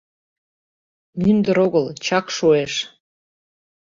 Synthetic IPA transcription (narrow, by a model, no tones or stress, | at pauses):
mynd̪əɾoɣəlt͡ɕɑkʃoeʃ